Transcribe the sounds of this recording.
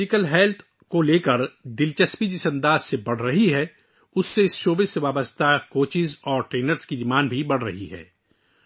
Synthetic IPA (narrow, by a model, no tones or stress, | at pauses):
ɪkəlɦɛːlt̪ʰ | koleːkəɾd̪ɪlt͡ʃəspid͡ʒɪsɐ̃nd̪aːzsebɐɽ̤ɾɐɦiɦɛ | ʊsːeɪsʃoːbɪsːeʋaːbəst̪ʰakoːt͡ʃɪzɔːɾʈɾeːnəɾskid̪ɪmaːnbʱibɐɽ̤ɾɐɦiɦɛ̰ː